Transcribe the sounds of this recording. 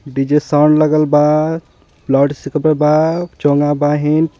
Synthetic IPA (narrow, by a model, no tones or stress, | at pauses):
ɖid͡ʒesawɳɖləɡəlba | blaɖsikəbəlbat͡ʃoŋɡabaɦin